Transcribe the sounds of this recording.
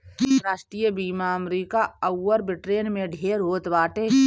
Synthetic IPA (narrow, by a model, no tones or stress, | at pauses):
ɾaːʃʈɾijəbiːmaəmɾiːkaəwːəɾbɪʈɾeːnmẽɖʱeːɾɦoːt̪ʋaːʈe